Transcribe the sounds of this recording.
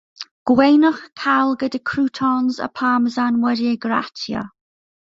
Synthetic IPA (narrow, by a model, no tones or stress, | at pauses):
ɡ̥wejnɔχkʰalˠɡədəkʰɹuːtʰɔnzə̰pʰaːməzanwɛɾiəɡɹa̰tʰjə̰